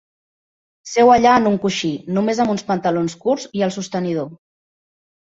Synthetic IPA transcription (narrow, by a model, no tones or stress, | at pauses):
sɛwəʎaənuŋkuʃinumezəmunspənt̪əlonskuɾziəlˠsust̪ənið̞o